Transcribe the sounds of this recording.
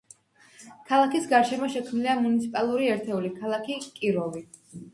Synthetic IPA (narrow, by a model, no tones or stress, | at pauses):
kʰalˠakisɡaɾʃɛmɔʃɛkʰmniliamunit̪sʰipʼalˠuɾiɛɾt̪ʰɛulikʰalˠakʰikʼiɾɔvi